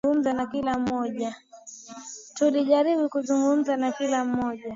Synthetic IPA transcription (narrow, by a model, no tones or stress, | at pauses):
um̩zanakilam̩ɔʄa | tuliʄaɾiɓukuzuŋɡum̩zanakilam̩mɔʄa